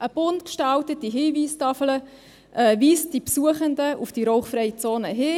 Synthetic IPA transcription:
ʔəb̥ʊntkʃtɑltətːiɦiːviːstɑfələ | ʔɛːviːsd̥ipsuəχəndəʔufd̥iɾɔwχfrɾɛjət͡soːnəɦɪː

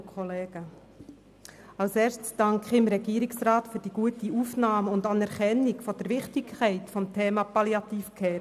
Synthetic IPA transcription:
kʰχɔleːɡ̥ə | ɑlsɛːɾstsd̥ɑŋkχɪmɾɛɡiːɾɪksɾaːtfyɾd̥iːɡ̥uətiuːfnɑːmʊndɑnɛɾkɛnɪɡfɔd̥əɾʋɪχtɪkʰɛɪtfɔmtʰeːmɑpɑljɑt̪iːfkʰɛː

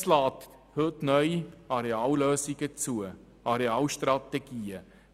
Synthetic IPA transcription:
slɑːt̪ | høːtnœʏiɑɾeɑːlløːsɪɡət͡suə | ʔɑɾeɑːlʃtrɑt̪eɡ̥iːə

